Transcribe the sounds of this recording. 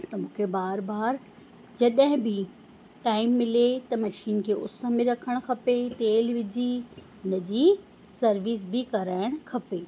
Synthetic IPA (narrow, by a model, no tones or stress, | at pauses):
t̪ɐmũːkʰebaːɾbaːɾ | d͡ʑɐɗɦɪ̃bʱɪ | ʈaːɪmːɪlet̪ɐmɐʃiːnkʰeːʔʊsəmɪ̃ɾɐkʰəɽ̃kʰɐpet̪eːlʋɪd͡ʑi | ʊnəd͡ʑiː | sɐɾʋiːs̬bɪkɐɾaːɪɽ̃kʰɐpeː